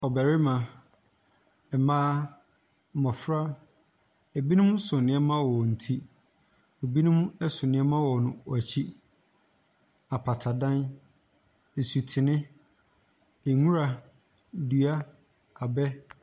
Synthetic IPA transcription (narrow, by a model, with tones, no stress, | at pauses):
ɔ˨bɛ˨ɾɪ˦mã˨ | ɛ˨mãː˦˨ | mɔ̃˨fɾa˦ | e˨bi˦nʊ̃˦m˦sʊ˨nɪ̃˨˦ɛ˦mã˦wɔ˨n̩˨tʰi˦ | o˨bi˦nʊ̃˦m˦ɛ˦sʊ˨nɪ̃˨˦ɛ˦mã˦wɔ˨nʊ̃˨ɔ˨t͡ɕʰi˦ | a˨pʰa˨tʰa˨dã˦n | e˨su˨tʰɪ˨nɪ̃˦ | e˨ŋũ˦ɾa˨ | du˨a˦ | a˨bɛ˦